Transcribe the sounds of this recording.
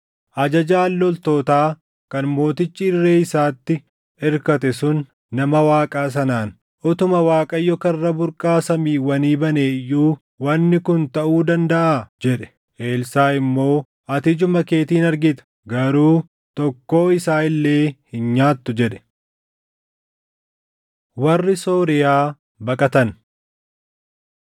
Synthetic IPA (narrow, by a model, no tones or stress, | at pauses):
ʔɐd͡ʒɐd͡ʒaːlːɔlt̪o̞ːt̪aː | kɐnmo̞ːt̪ɪt͡ʃːiːrːe̞ːɪsaːt̪ːɪ | ɛɾkɐt̪ɛsʊnː | ɐmɐwaːkʼaːs̬ɐnaːn | ʔʊt̪ʊmɐwaːkʼɐjːɔkɐrːɐbʊɾkʼaːsɐmiːwɐniːbɐneːjuː | wɐnːɪkʊnt̪ɐʔuːd̪ɐnd̪ɐʔaːd͡ʒɛᶑɛ̥ | ʔe̞ːlsaːɪmːo̞ː | ɐt̪ɪd͡ʒʊmɐke̞ːt̪iːnɐɾɡɪt̪ɐ̥ | ɡɐɾuː | t̪ɔkːo̞ːɪsaːɪlːeːhɪnɲaːt̪ːʊd͡ʒɛᶑɛ̥ | wɐrːɪso̞ːɾɪjaː | bɐkʼɐt̪ɐn